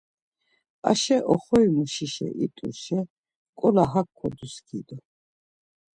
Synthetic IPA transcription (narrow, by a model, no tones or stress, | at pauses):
a̰ʃɛʔɔχɔjmuʃiʃɛ̰ʔit̪ʼṵʃɛ | kʼɔlaɦakʰːɔd̪uskʰid̪ɔ